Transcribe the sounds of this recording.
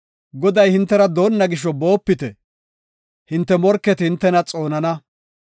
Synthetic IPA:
ɡɔd̪ɐjhɪnt̪ːɛɾɐd̪o̞ːnːɐɡɪʃ̬ːɔbo̞ːpːɪt̪ɛ | hɪnt̪ːɛmɔɾkːɛt̪hɪnt̪ːɛnɐt͡sʼo̞ːnɐnɐ

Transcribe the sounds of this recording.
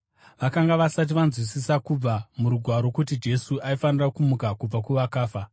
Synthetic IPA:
ʋakaŋɡaʋasat̬iʋanzwisisakub͡vamuɾuɡʱwaɾo̞kut̬id͡ʒe̞suʔaifanirakumukakub͡vakuʋakaːfa

